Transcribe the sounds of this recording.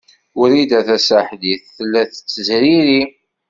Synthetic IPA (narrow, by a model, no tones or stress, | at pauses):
ʊɾid̪æθæsaħd̪iθːəlːæθət͡sːəzɾiɾi